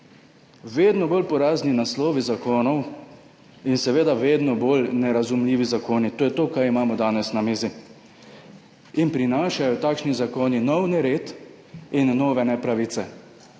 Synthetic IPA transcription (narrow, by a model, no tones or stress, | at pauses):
ʋeːd̪nɔboːlpɔɾaːzninasloːʋizakoːnɔw | insɛʋeːd̪aʋeːd̪nɔboːlnɛɾazumliːʋizakoːnit̪oːjɛt̪oːkaɾimaːmɔd̪aːnɛsnamiːzi | inpɾinaːʃajɔt̪aːkʃnizakoːninɔwnɛɾeːt̪ | inːoːʋɛnɛpɾaʋiːt̪sɛ